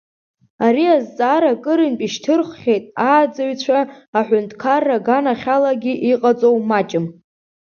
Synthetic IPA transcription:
aɾiazt͡sʼaɾakʼɨɾɨnpʼiʃtʰɨrχʷχʲejtʼaːd͡zaɥt͡ɕʷʰaːħʷᶣʊntʰkʰarːaɡanaχʲalaɡʲiʔiqʼat͡sʼowmat͡ʃʼɪm

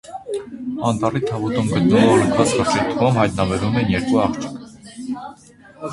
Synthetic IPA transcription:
ɑnt̪ɑrit̪ʰɑvut̪umɡət̪numɑɾəŋkʰvɑt͡sχəɾt͡ʃʰɛɾt̪ʰuʁumhɑjt̪nɑbɛɾumɛnjɛɾkuɑχt͡ʃʰə̥kʰ

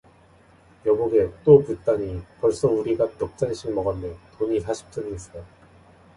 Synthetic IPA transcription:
jʌɡuɡe̞t͈oput͈aɲipʌɭs͈ʌuɾiɡapjʌk̚t͡ɕ͈aneɕʰiɡmʌɡandentoɲisʰaɕʰi̥p̚t͡ɕ͈ʌniis͈ʌjo

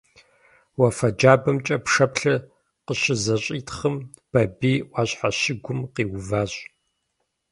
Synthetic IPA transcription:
wɐfɐd͡ʒaːbɐmt͡ʃʼɐpʂɐpɬɐ | qəɕɪzɐɕʼiːtχəm | b̥ɐbiːʔʷɑːɕħaɕɪɡʷʊmqiːwʊvaːɕʼ

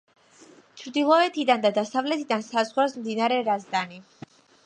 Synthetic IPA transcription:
t͡ʃʰɾd̪ilˠɔɛt̪ʰid̪and̪ad̪asavlɛt̪ʰid̪ansazʁwasmd̪inaɾɛɾazd̪ani

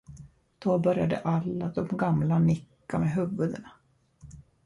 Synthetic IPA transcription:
d̪̥obœɾjad̪ə̰ʔalːad̪ɔmɡamlanɪkːameɦɵvɵd̪əna

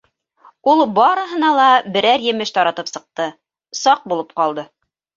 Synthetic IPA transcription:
ulˠbɑɾɤ̆ɦɤ̆nɑlˠɑbɘ̆ɾæɾjɘ̆mɘʃt̪ɑɾɑt̪ɤpsɤ̆q̚t̪ɤ | sɑq̚bulˠɤp̚qɑlˠd̪ɤ

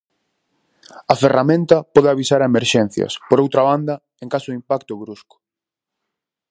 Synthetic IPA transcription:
ɐferamẽnt̪ɐpɔðeaβisaɾaemeɾʃɛn̟θjɐ̰spoɾowt̪ɾaβand̪ɐ | eŋkasʊimpakt̪ʊɣɾuskʊ̥

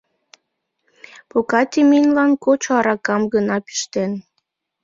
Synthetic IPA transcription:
pokɑt̪ʲiminʲlɑnkot͡ɕoɑɾɑkɑmɡənɑpi̥ʃt̪en

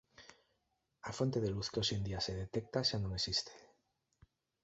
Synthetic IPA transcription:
afo̞nt̪e̞ðe̞luθkeosend̪iase̞ðe̞t̪e̞k̚t̪aʃanomesist̪e̥

